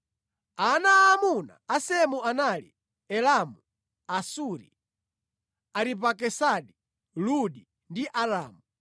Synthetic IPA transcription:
anamuna̰asɛmuanalḭ | ɛlamu | asuɾḭ | aɾip̬akɛsaɗi | luɗi | ndiʔalaːmu

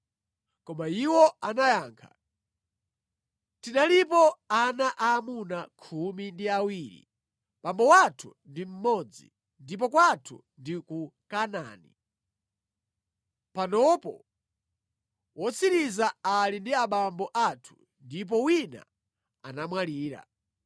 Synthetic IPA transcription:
kɔmaiwɔanajaːŋkʰa̰ | tinalipɔanaʔaːmunakʰumindiawiɾḭ | ɓambɔwatʰṵndim̩mɔd͡zḭ | ndip̬ɔkwatʰṵ | ndikukana̰ːni | panɔpɔ̰ | wɔt͡sʰiɾizaalindiaɓambɔʔatʰu̥ | ndip̬ɔwina̰ | a̰namwaliːɾa̰

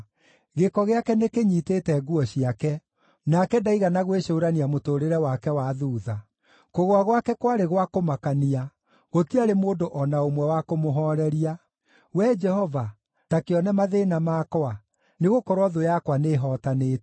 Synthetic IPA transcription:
ɣekɔɣeakɛnekeɲitetɛɡuɔɕiakɛ | nakɛdaiɣanaɣweʃoːɾaniamotoːɾeɾɛwakɛwaðuːða | koɣoaɣwakɛkwaɾeɣwakomakania | ɣotiaɾemoːndoʔɔnaomwɛwakomoɦɔɾɛɾia | wɛd͡ʒɛhɔva | takeɔnɛmaðenamaːkɔa | neɣokɔɾwaðojakwaneːɦɔtaneːtɛ

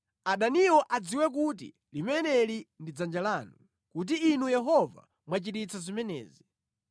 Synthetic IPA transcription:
aɗaniwɔʔad͡ziwɛk̬ut̬ḭ | limɛnɛlindid͡zand͡ʒalaːnu | kut̬iːnujɛɦɔva̰ | mwat͡ʃitit͡sʰazimɛnɛ̰ːzi

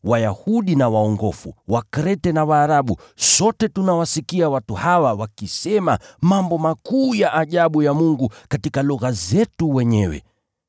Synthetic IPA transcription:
wajahuɗinawaɔŋɡɔfṵwakɾɛtɛnawaːɾaɓusɔtɛtunawasikiawatuhawawakisɛmamambɔmakuːjaʔaʄaɓujamuŋɡukatikaluɣazɛtuwɛɲɛwɛ̰

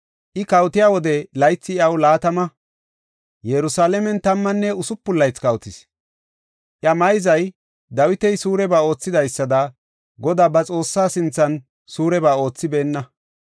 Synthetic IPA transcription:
ʔɪkɐwt̪ɪjaːwɔd̪ɛlɐjt͡sːɪɪɐwlaːt̪ɐmɐ | jɛɾʊsaːlɛmɛnt̪ɐmːɐnːɛʊsʊpːʊlːɐjt͡skɐwt̪ɪs | ʔjɐmɐjzɐj | d̪ɐwɪt̪ɛjsuːɾɛbaːo̞ːt͡sːɪd̪ɐjsːɐd̪ɐ | ɡɔd̪aːbɐt͡sʼo̞ːsːaːsɪnt͡sːɐn | suːɾɛbaːo̞ːt͡sːɪbe̞ːnːɐ

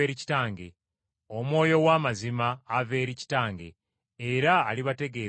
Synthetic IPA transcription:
eːɾici̥taːŋɡe | o̞mwo̞ːjo̞waːmazimaːve̞ːɾici̥taːŋɡe̞̰ː | ɾaːliβate̞ɡe̞

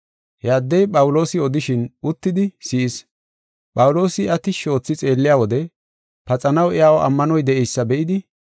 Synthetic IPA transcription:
hɛɐd̪ːɛjpʼɐwʊlo̞ːsɪɔd̪ɪʃɪnʊt̪ːɪd̪ɪsɪʔɪs | pʼɐwʊlo̞ːsɪɐt̪ɪʃo̞ːt͡sːɪt͡sʼe̞ːlːɪjaːwɔd̪ɛ | pɐt͡sʼɐnɐwɛjaːwoʔɐ̰mːɐnɔjd̪ɛʔɛjsːɐbɛʔɪd̪ɪ

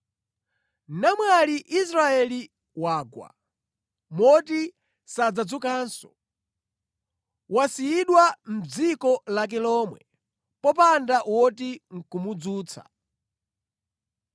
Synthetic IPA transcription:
namwaliʔis̬ɾaɛli | waːɡwa̰ | mɔti | sad͡zad͡zukaːnsɔ̥ | wasijiɗwam̩d͡zikɔlak̬ɛlɔmwɛ̰ | pɔpandawɔtiŋ̩kumud͡zuːt͡sʰa̰

